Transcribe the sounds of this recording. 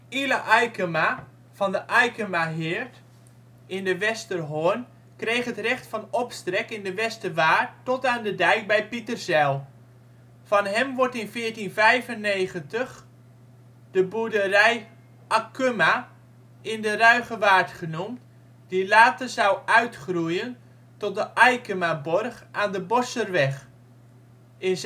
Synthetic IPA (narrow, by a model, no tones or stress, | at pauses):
ilaʔajkəma | fɑndəʔajkəmaɦɪɹt | ɪndəʋɛstərɦoən | krejχətrɛχtfɑnɔpstrɛkɪndəʋɛstəʋaːrtːɔtaːndədɛjk̚bɛjpitərsɛlˠ | fɔnɦɛmʋɔɹtɪnfɪːtinvɛjvənːejχəntəχ | d̥əbudərɛj | ʔakʰøma | ɪndərœɥχəʋaːrtχənumt | d̥ilaːtərzawʔœɥtχrujən | tɔt̚dəʔajkəmabɔrχʔaːndəbɔsərʋɛχ | ɪn